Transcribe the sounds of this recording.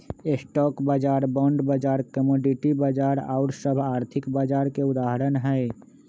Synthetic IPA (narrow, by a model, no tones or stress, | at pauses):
esʈɔːkbaːd͡ʒaːɾbɔ̃ːɳɖbad͡ʒaːɾkəmoːɖiʈibaːd͡ʒaːɾa̰ːɾsəbʱaːɾt̪ʰɪkbaːd͡ʒaːɾkeʊd̪aːɦəɾənɦɛ